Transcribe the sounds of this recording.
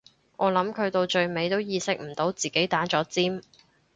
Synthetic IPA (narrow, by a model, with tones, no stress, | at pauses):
ʔɔː˨˧lɐ˨˥mkʰɵ˨˧t̪o˧wt͡ʃɵ˧ɥme˨˧jt̪o˥wjiː˧sɪ˥k̚m̩˨˩t̪o˨˥wt͡siː˨˩ke˨˥jt̪aː˨˥t͡ʃɔː˨˥t͡siː˥m